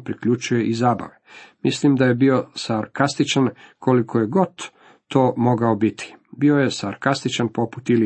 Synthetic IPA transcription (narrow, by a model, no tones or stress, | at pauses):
pɾikʎut͡ʃuje̞ʔizaːba̰ʋemislimd̪aje̞bio̞saɾkast̪it͡ʃankʰo̞likʰo̞jeɡo̞t̪ː | oːmo̞ɡaobit̪ʰi̥bio̞je̞saɾkast̪it͡ʃanpo̞pu̥t̪ili